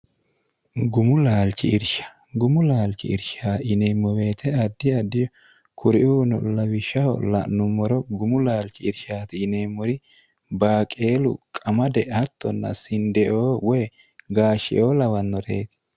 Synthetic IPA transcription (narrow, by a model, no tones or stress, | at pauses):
ɡʊmʊlaːlt͡ʃɪɪɾʃɐ̥ | ɡʊmʊlaːlt͡ʃːɪ̰ɪɾʃaːʔɪneːmːɔwe̞ːt̪ʰɛɐd̪ːɪɐd̪ːɪjɔ | kʰʊɾɪʔuːnɔ̰lɐwɪʃɐɔ̰lɐ̰nʊmːɔɾɔɡʊmʊlaːlt͡ʃɪɪɾʃaːt̪ɪːneːmːɔɾɪ | baːkʼe̞ːlʊ̰kʼɐmɐd̪ɛʔɐt̪ːɔnːɐ̰sɪnd̪ɛʔoːwɔj | ɡaːʃɪ̰ʔo̞ːlɐwɐnːɔd̪ḛːt̪ɪ̥